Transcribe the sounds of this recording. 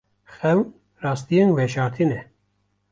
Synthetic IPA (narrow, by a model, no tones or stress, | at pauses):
xɛw | rɑːst̪ijenwɛʃɑːɾt̪ʰinɛ